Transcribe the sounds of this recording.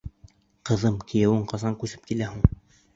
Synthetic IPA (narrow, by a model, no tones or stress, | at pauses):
qɤ̆ðɤmkʰɘ̆jæ̆wɘɴqɑzɑŋkʉsɘ̥p̚kilæhuɴ